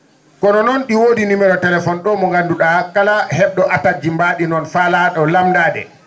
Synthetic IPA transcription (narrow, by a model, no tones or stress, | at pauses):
kɔnɔnɔnɗiwoːdinimɛɾɔtɛlɛfɔnɗɔmɔŋɡanduɗakalahɛɓɗɔʔatad͡ʒimbaɗinɔnfalaɗɔlamdaːdɛ̰